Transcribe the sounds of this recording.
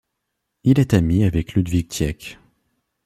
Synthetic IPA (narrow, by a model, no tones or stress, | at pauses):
ilɛt̪amiavɛklyd̪vik̚t̪jɛk